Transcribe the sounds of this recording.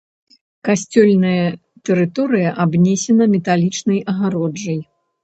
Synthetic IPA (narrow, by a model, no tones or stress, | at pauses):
kasʲt͡sʲɔlʲnɐjɐ | t̪ɛɾɨt̪ɔɾɨjɐʔabnʲɛsʲɛnɐmʲɛt̪alʲit͡ʂnɐjɐɣaɾɔd͡ʐɐj